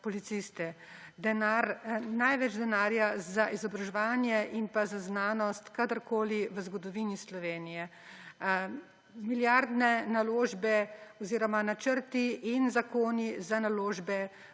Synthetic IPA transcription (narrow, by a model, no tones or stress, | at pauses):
pɔlit̪sist̪ɛ | d̪ɛnaɾnajʋɛd͡ʒd̪ɛnaːɾjazaʔizɔbɾaʒɛʋaːnjɛʔimpazaznaːnɔst̪kad̪əɾkoːliʋəzɡɔd̪ɔʋiːnislɔʋeːnijɛ | miljaɾd̪nɛnaloːʒbɛɔziːɾɔmanat͡ʃəɾt̪iʔinzakoːnizanaloːʒbɛ